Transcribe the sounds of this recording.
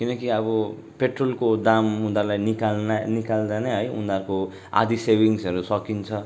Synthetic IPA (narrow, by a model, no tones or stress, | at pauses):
kinʌkiʌbʌ | peʈrolkod̪amũnd̪alajnikalnanikald̪aneɦʌjɦṵ̃nd̪arko | a̰d̪isebiŋsʌɾusʌkint͡sʰʌ